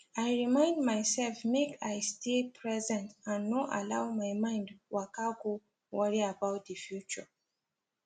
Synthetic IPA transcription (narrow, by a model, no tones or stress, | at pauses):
ajɹimãɪ̃ndmaɪsɛlfmekʰajstepʰɹɛzɛ̃ntãnːɔʔa̰laʊwmajmãɪ̃ndwakaɡo | wɔɹiabaʊt̚dəfjut͡ʃə